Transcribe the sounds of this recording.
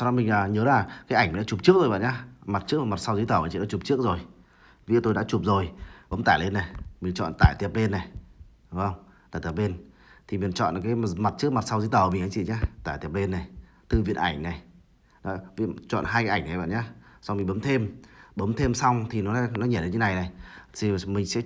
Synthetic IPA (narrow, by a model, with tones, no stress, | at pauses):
sɔ˧ɔ˨˦mï˨˩ŋla˨˩ɲəː˨˦laː˨˩kaː˨˦ʔa˧˩ŋm˨˩˨ɗaː˧˦t͡ɕu˨˩p̚t͡ɕɨ˦˥ək̚zo˨˩jɓa̰˧˨nɲaː˧˦ma˨˩t̚t͡ɕɨ˦˥k̚ːma˨˩t̚sa˧wzɨ˧˦t̪əː˧˩m˨˩t͡ɕḭ˧˨ɗa̰ː˧˦u˨˩p̚t͡ɕɨ˦˥ək̚zo˨˩j | vḭ˧˥˦t̪o˧jɗaː˧˥t͡ɕu˨˩p̚zo˨˩jɓə˨˦mt̪aː˧˩jle˧nːa˨˩jmï˨˩t͡ɕɔ̰˧˨nt̪aː˧˩jt̪i˨˩əp̚le˧nːa˨˩jɗʊ˨˦ŋ͡mə˧wŋ͡mt̪aː˧˩t̪i˨˩p̚ɓe˧n | t̪ʰi˨˩mi˨˩nt͡ɕɔ̰˧˨nkaː˨˦jma˨˩t̚t͡ɕɨ˦˥k̚ma˨˩t̚sa˧wzɨ˨˦t̪əː˧˩˨mi̟˨˩˨kaː˨˦t͡ɕḭ˧˨ɲaː˧t̪aː˧˩t̪i˨˩əp̚le˧nːa˨˩j | t̪ɨ˨˩vḭ˧˨ənʔa˧˩jŋ̟na˨˩j | nɔ˨˦vḭ˧˥ət͡ɕɔ̰˧˨nɦaː˧jkːa˨˦ʔa˧˩ŋ̟na˨˩ɓa̰ː˧˨nɲaː˨˦sa˧wŋ͡mmi̟˨˩ɓə˨˦mt̪ʰe˧mɓə˨˦mt̪ʰe˧msa˧wŋ͡mt̪ʰi˨˩nɔ˨˦nɔ˨˦ɲəː˨˧˩ɗe˧nɲə˨˦na˨˩jna˨˩jt̪i˨˩mï˨˩ŋ̟sɛ̰˧˥